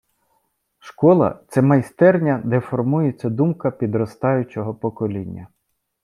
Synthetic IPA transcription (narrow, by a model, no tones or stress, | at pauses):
ʃkɔlˠɐ̰t̪sɛmɐjst̪ɛrnʲɐd̪ɛfɔrmujɛt͡sʲɐd̪umkɐpʲid̪ɾɔst̪ɑjʊt͡ʃɔɦɔpɔkɔlʲinʲːɐ